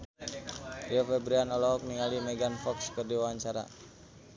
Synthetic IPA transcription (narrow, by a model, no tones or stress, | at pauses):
iɔfɛbɾianɔlɔɦɔk̚niŋalimɛɡanfɔkskərdiwawaɲt͡ʃaɾa̰